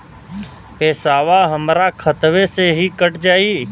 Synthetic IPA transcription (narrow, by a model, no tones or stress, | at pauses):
peːsaːʋaɦəmɾakʰət̪ʋeseɦikəʈd͡ʒaːiː